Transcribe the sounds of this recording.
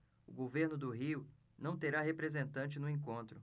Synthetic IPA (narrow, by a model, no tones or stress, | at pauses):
ʊɡoveɾnʊd̪ʊɦiʊ | nɐ̃w̃t̪eɾaɦepɾezẽnt̪ɐ̃nt͡ʃɪnʊẽŋkõnt̪ɾʊ